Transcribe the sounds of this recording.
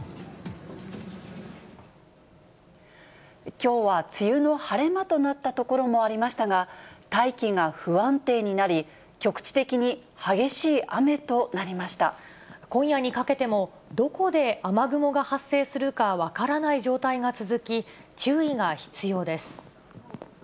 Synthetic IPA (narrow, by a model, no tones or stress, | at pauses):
kʲo̞ːβat͡sɨjɯno̞haɾe̞mat̪o̞nat̪ːat̪o̞ko̞ɾo̞mo̞aɾʲimaɕi̥t̪aɡat̪aikʲiŋɡaɸɯ̟βãnt̪e̞ːɲ̟inaɾʲi | kʲo̞kɯ̟̥t͡ɕi̥t̪e̞kʲiɲ̟i | haɡe̞ɕiːʔame̞t̪o̞naɾʲimaɕi̥t̪a | kõ̞ɰ̃jaɲ̟ikake̞t̪e̞mo̞ | d̪o̞ko̞d̪e̞amaɡɯ̟mo̞ɡahasːe̞ːsɨɾɯ̟kaβakaɾanaiʑo̞ːt̪aiɡat͡sɨzɨkʲit͡ɕɨːiɡaçi̥t͡sɨjo̞ːd̪e̞sɨ̥